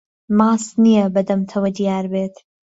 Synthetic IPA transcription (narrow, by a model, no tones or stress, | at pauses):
mɑːsnijɐbɐd̪ɐmt̪ʰɐwɐd̪ijaːɾbeːt̪